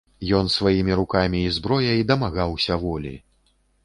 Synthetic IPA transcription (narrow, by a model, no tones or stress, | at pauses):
jɔnsvajimʲiɾukamʲiːzbɾɔjɐid̪ɐmaɣawsʲɐvɔlʲḭ